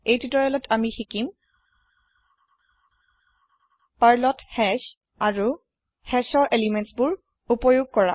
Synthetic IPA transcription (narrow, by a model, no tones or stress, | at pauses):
ejtitɔjɔlɔtʰamixikim | paɹlɔthɛʃ | aɹu | hɛʃɔɹʔelimentsbʊɹ | upɔjuɡ̚kɔɹa̰